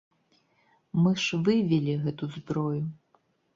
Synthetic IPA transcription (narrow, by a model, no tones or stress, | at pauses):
mɨʂvɨvʲɛlʲiɣɛt̪uzbɾɔju